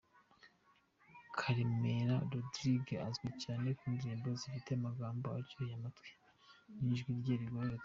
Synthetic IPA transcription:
kʰaɾimeɾaɾodɾiɡeazɡwecaːne̞kiːndiɾiːmbo̞zifite̞amaɡaːmboaɾɟohjamatwe̥ | niːʒɡwiɾɟeɾiɡoɾo

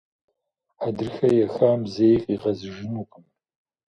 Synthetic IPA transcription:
adɨrxɐjɛxaːmzejqʼiʁɐzɨʒɪnukʼɨm

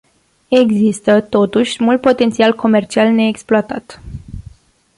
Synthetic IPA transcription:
e̞ɡzist̪ət̪o̞t̪uʃʲmult̪̚po̞t̪ent̪sialko̞me̞rt͡ʃialne̞ːksploat̪at̪

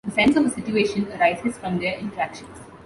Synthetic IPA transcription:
d̪əsɛ̃nsɔʋəsɪʈueːʃə̃nəɾaɪzɪz̥fɾɔ̃md̪eɾɪ̃nʈəɾækʃə̃ns

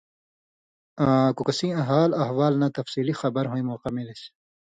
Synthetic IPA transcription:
kukɐsĩɐ̃ɦaːlɐɦwaːlnɐt̪ɐfsiːlixɐbɐɾɦõĩmoːqɐmiles

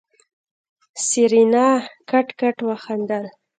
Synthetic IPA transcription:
siɾinɑkaʈkaʈwaxand̪aɾ

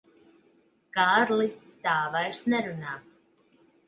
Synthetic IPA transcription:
kaːɾlɪt̪aːvaɛr̥t̪nɛɾʏna

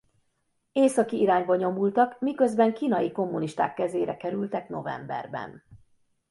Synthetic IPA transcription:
eːsɒkiiɾaːɲbɒɲo̞mult̪ɒkmikø̞zbɛŋkiːnɒjiko̞mːuniʃt̪a̰ːkːɛzeːɾɛkɛɾylt̪ɛkno̞vɛ̰mbɛ̰rbɛ̰n

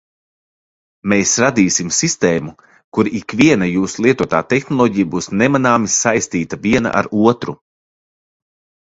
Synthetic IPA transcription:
meːsɾad̪iːsimsist̪eːmu | kuɾiikviɛnajuːsulˠiɛt̪uɔt̪a̰ːt̪ɛxnɔlˠɔːɟijabuːsnɛmanaːmisajst̪iːt̪aviɛna̰ʔa̰ɾuɔt̪ɾu

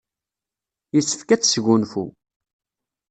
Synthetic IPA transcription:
jisːə̥fkæt͡sːsʝunfṵ

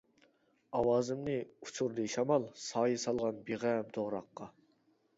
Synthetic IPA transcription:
ɑwɑːzɨmnɨut͡ʃʰuɾd̪ɨʃɑmɑlˠsɑːjɨsɑlˠʁɑnbeʁæmt̪ʰoʁɾɑqːɑ

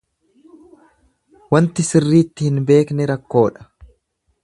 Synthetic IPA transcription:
wɐnt̪ɪsɪrːiːt̪ːɪhɪnbe̞ːknɛɾɐkːo̞ːᶑɐ̥

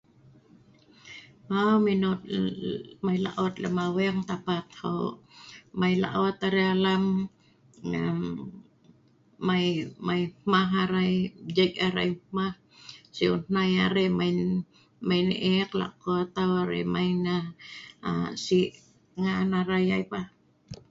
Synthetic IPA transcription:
aminʊt̪ | majla̰ʔot̪lamawɛŋt̪apat̪ho̰ | majla̰ʔot̪aɾealam | a̰ | majmajmaɦaɾajd͡ʒaɡaɾa̰jmah | siʊ̰nnajaɾɛmaj | majniʔɛkla̰kot̪awaɾḛmajna | asiʔ | ŋanaɾajajpa

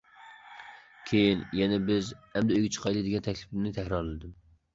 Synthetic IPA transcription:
kʲʰejinjɛnɛbɪzhɛmd̪ɛøjɡʲɛt͡ʃʰə̥qʰɑjlˠɨd̪ɪɡʲɛnt̪ʰɛkʲlɪ̥plɪnɪt̪ʰɛhɾɑɾlɪd̪ɪm

